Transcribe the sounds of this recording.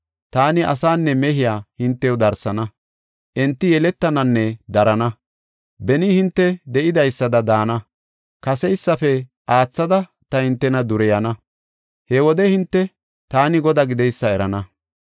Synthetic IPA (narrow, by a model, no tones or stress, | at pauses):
t̪aːnɪʔɐ̰saːnːɛmɛɦɪjaːhɪnt̪ːɛjɔd̪ɐɾsɐnɐ | ʔɛnt̪ːɪjɛlɛt̪ːɐnɐnːɛd̪ɐɾɐnɐ | bɛnɪhɪnt̪ːɛd̪ɛʔɪd̪ɐjsːɐd̪ɐd̪aːnɐ | kɐsɛjsːɐfɛ | ʔaːt͡sːɐd̪ɐ | t̪ɐhɪnt̪ːɛnɐd̪ʊɾɛjɐnɐ | hewɔd̪ɛhɪnt̪ːɛ | t̪aːnɪɡɔd̪aɡɪd̪ɛjsːɐɛɾɐnɐ